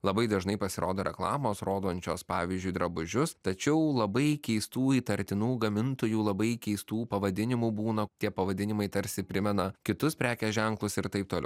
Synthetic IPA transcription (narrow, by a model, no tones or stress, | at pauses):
lˠɐbɐɪd̪ɐʒnɐɪpɐsʲɪɾʔoːd̪oːɾʲɛ̰klˠɑːmoːsɾoːd̪oːnʲt͡ʃʲoːspɑːʋʲiːzʲd͡ʒʲʊɪd̪ɾɐbʊʒʲʊst̪ɐt͡ʃʲɛʊlˠɐbɐɪkʲɛɪst̪uːiːt̪ɐɾʲt̪ʲɪnuːɡɐmʲɪnt̪oːjuːlˠɐbɐɪkʲɛɪst̪uːpɐʋɐd̪ʲɪnʲɪmuːbuːnɐt̪ʲiɛpɐʋɐd̪ʲɪnʲɪmɐɪt̪ɐɾʲsʲɪpʲɾʲɪmʲɛnɐkʲɪt̪ʊspʲɾʲæːkʲɛsʒʲɛŋklˠʊsɪɾt̪ɐɪp̚t̪oːlʲɛ̰ʊ